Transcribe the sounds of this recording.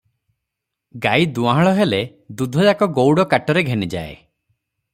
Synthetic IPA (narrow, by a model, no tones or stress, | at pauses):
ɡajd̪uaɦaɭɔɦele | d̪ud̪ʱɔd͡ʒakɔɡowɽɔkaʈɔɾeɡʱenid͡ʒa̰ḛ